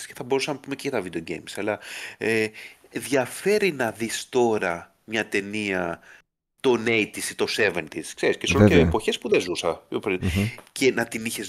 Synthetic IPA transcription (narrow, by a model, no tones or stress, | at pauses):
sceθɐbo̞ɾusɐnɐpume̞ceʝɐt̪ɐvid̪eoɟe̞̰jmsɐlɐe | ðʝɐfe̞ɾinɐðist̪o̞ɾɐ | mɲɐt̪e̞niɐ | t̪o̞nejt̪isi̥t̪o̞se̞ve̞nt̪iskse̞ɾiscesoleepo̞çe̞spuðezusɐopɾincʰe̞nɐt̪iniçe̞z